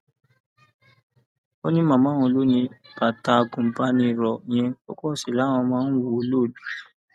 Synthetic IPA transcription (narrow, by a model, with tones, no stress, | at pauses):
o˦nĩ˦mã˨mã˦wɔ̃˧lo˦nĩ˧ba˨ta˨˧ɡũ˨m̩˨pa˦nĩ˧˨ɾɔ˨j̃ɛ̃˧ɔ̰˨kɔ˦˨si˨la˨˦w̃ɔ̃˧mãː˦n̩˦wu˧˦lo˦˨du˨˦